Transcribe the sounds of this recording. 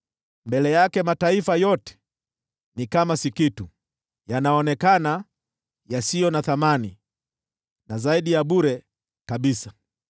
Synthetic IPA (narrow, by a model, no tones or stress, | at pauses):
mbɛlɛjakɛmataifajɔtɛ̥ | nikamasikitu | janaɔnɛkana | jasijɔnaθamani | nazaiɗijaɓuɾɛ | kaɓisa